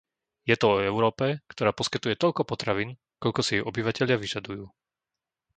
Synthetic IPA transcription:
jɛt̪ɔɔɛʊɾɔːpɛkt̪ɔɾaːpɔskit̪ujɛt̪ɔʎkɔpɔt̪ɾaʋiːn | kɔʎkɔsiiɔbiʋacɛʎɪaʋiʒad̪ujuː

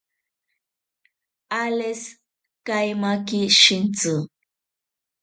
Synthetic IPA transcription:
ales | kajmakiʃint͡su

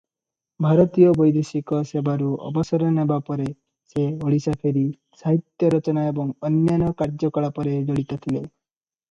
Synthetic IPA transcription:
bʱaɾɔt̪ijɔbɔjd̪esikɔsebaɾuɔ̰bɔsɔɾɔnebapɔɾe | seoɭisapʰeɾi | saɦit̪jɔɾɔt͡ʃɔnaebɔŋɔnjanɔkaɾd͡ʒɔkɔɭapɔɾed͡ʒɔɽit̪ɔt̪ʰile

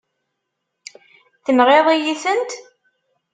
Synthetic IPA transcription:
θəmʁeðˤijiθənt̪

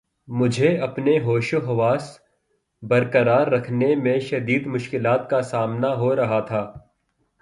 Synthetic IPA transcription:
mʊd͡ʒʱeɐpneɦoːʃʊɦɐʋaːs | bɐɾkəɾaːɾːɐkʰnemẽʃɐd̪iːd̪mʊʃkɪlaːt̪kasaːmnaɦoɾɐɦat̪ʰaː

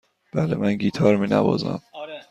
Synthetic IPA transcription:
b̥ælemænɟiːt̪ʰɒːɾmiːnæbɒ̰ːzæ̰m

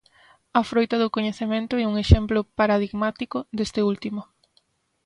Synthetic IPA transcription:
ɐfɾojt̪ɐðʊkoɲeθemẽnt̪ʊɛuŋeʃemplʊpaɾaðiɣmat̪ikʊd̪est̪ɪult̪imʊ

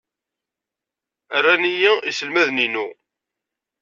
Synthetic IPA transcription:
ərːænijæisəlmæðninu

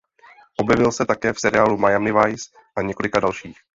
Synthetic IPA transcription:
ʔobjɛvɪlsɛt̪akɛːfsɛɾɪaːlumajamɪvajs | ʔaɲɛko̞lɪkadalʃiːx

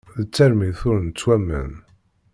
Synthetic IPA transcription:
ðət͡sːæɾmiθʊɾnt͡sːwæmːə̰n

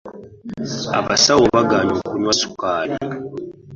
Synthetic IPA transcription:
a̰βasawoβaɡaːɲokunwasu̥kaːla

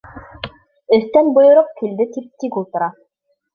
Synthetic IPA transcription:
ɵ̆θt̪ænbŏjŏɾɤp̚kild̪ɘt̪ip̚t̪ikulˠt̪ɤ̆ɾɑ

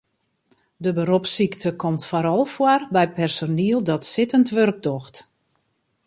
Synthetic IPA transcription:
dəbəɾopsiktəkʰɔmtfaɾɔlˠfwarbɛjpɛrsoniəlˠdɔtsɪtəntʋørɡ̚dɔxt

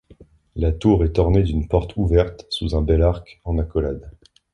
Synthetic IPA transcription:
lat̪uʁɛt̪ɔʁned̪ynpɔʁt̪ʰuvɛʁt̪suzɛ̃bɛlaʁkɑ̃nakɔlad̪

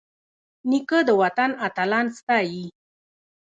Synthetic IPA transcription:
nikəd̪əwat̪anat̪alɑnst̪ɑji

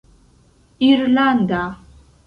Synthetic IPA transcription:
irland̪a

